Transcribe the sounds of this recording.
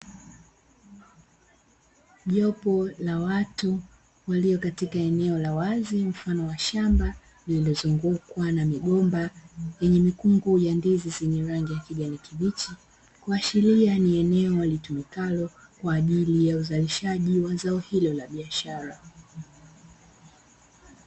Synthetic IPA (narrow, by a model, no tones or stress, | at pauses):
ʄɔpɔlawatu | waliɔkatikaɛnɛɔlawazim̩fanɔwaʃamba | nililɔzuŋɡukwanamiɠɔmbajɛɲɛmikuŋɡujandizizɛɲɛɾaŋɡijakiɠanikivit͡ʃi | kuaʃilianiɛnɛɔwalitumikalɔkwaːʄilijauzaliʃaʄiwazaɔhilɔlaɓiaʃaɾa